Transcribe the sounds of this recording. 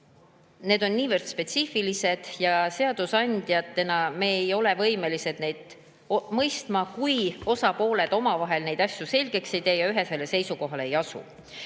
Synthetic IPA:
ne̞ːd̪o̞nːiːvərd̪̥spe̞t̪sifilise̞d̪̥jɑse̞ɑd̪̥usɑnʲd̪̥jɑt̪ːe̞nɑme̞ːejo̞le̞vɤjme̞lise̞d̪ne̞jd̪̥ | mɤjst̪mɑkujo̞sɑpo̞ːle̞d̪̥o̞mɑvɑɦe̞lne̞jd̪ɑsʲjuse̞lʲɡ̥e̞kse̞jd̪e̞ːjɑyɦe̞se̞lːe̞se̞jsuko̞ɦɑlee̞jɑsṵ

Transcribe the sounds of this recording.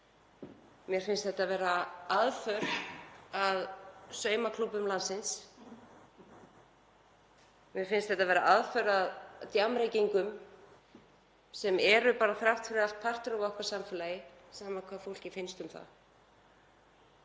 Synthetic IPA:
mjɛɾ̥fɪnst̪θɛht̪avɛːɾaaðfœɾ | aðsœːɥmakʰlupʏmlansɪns | mjɛɾ̥fɪnst̪θɛht̪avɛːɾaʔaðfœɾaðt̪jamɾejciŋkʏm | sɛmɛɾʏpaːɾaθɾawht̪fʏɾɪal̥t̪̚pʰar̥t̪ʏɾɔvɔhkḁsamfɛːlajɪsaːmakʰvaːðfowl̥cɪfɪjnst̪ʏmθa̰

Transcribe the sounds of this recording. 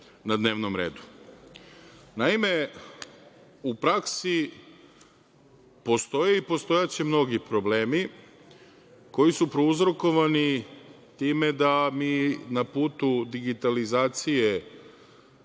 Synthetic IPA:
nad̪neːʋno̞mɾe̞̰ːd̪u̥ | naime̞ | upɾaksi | po̞st̪o̞jeipo̞st̪o̞jat͡ɕemno̞ɡipɾo̞ble̞ːmi | ko̞jisupɾouzɾoko̞ʋani | t̪iːme̞d̪amiːnapuːt̪ud̪iɡit̪alizaːt̪sije

